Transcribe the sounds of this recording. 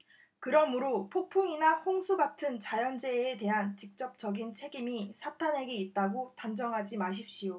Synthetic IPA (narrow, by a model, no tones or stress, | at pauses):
kɯɾʌmɯɾopʰopʰoŋinahoŋsʰuɡatʰɯnt͡ɕajʌnd͡ʑe̞ːte̞ɦant͡ɕik̚t͡ɕ͈ʌp̚t͡ɕ͈ʌɡint͡ɕʰe̞ɡimisʰatʰanɦe̞ɡiit̚t͈aɡotamd͡ʑʌŋɦad͡ʑimaɕ̬ʰip̚ɕ͈ijo